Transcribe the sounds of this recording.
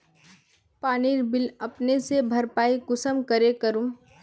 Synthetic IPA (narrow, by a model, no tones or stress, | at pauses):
paːniːɾbɪlɐpnesebʱɐɾpaːikʊsəmkəɾekəɾũ